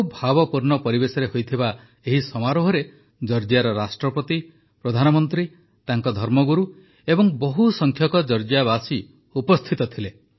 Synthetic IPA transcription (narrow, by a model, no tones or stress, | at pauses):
bʱabɔpuɾnɔpɔɾibesɔɾehojt̪ʰiba | eɦisɔmaɾɔɦɔɾe | d͡ʒɔɾd͡ʒjaɾɔɾasʈɾɔpɔt̪i | pɾɔd̪ʱanɔmɔnt̪ɾi | t̪aŋkɔd̪ʱɔɾmɔɡuɾu | ebɔŋbɔɦusɔŋkʰjɔkɔd͡ʒɔɾd͡ʒjaβasi | upɔst̪ʰit̪ɔt̪ʰile